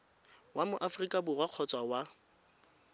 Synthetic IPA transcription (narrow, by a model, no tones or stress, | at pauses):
wamʊʔafrikʼabʊrwaq͡χʰɔt͡sʼwawa